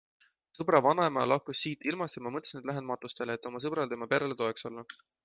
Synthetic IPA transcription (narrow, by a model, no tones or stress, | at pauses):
sɤbɾɑvɑnɑemɑlɑhkusːiːt̪ːˑilmɑst̪imɑmɤt̪ːˑsned̪læɦed̪ɑmɑt̪ːˑust̪e̞leet̪ːˑo̞mɑs̬ɤb̥ɾɑld̪emɑpeɾelet̪o̞eksolːɑ